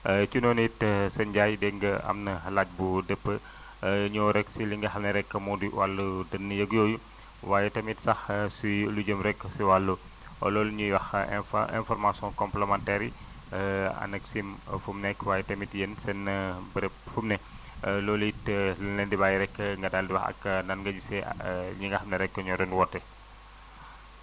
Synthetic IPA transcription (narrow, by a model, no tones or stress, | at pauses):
ət͡ʃunɔnitsɛnɟajdɛŋɡəɐ̰mnɐhɐlat̚budəpːə | ɲɔɾɛksiliŋɡɐxɐmneɾɛkːəmɔdiwalːudənːɐjɐɡjoːju | waːjɛtɐmitsɐxsulud͡ʒəmɾɛkːsiwalːṵ | lɔːlɲuwɐxɛ̰nfɔɾmasɔ̃nkɔmplemantɛɾi | ɐ̰nɐksimfumnɛkwaːjɛtɐmitjensɛnːɐbəɾɛp̚fumnɛ | lɔːluitlunɛndibaːjiɾɛkːəŋɡɐdaldiwɐxɐ̰kːənɐnŋɡɐd͡ʒisɛɲuŋɡɐhɐmnɛɾɛkːəɲɔdɐnwɔtːɛ